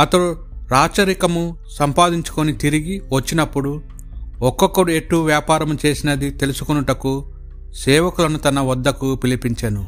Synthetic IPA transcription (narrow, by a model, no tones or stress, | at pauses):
ɐt̪ɐɽu | ɾaːt͡ʃɐɾikɐmu | sɐmpaːd̪iɲt͡ʃu̥ko̞nit̪iɾiɡiʋɐt͡ʃːinɐpːuɽu | ɔkːɔkːɐɽue̞ʈːuʋjaːpaːɾɐmut͡ʃe̞ːsinɐd̪it̪e̞lusu̥konuʈɐku | sɛːʋɐkulɐnut̪ɐnɐʋɐd̪ːɐkupilipiɲt͡ʃɐnu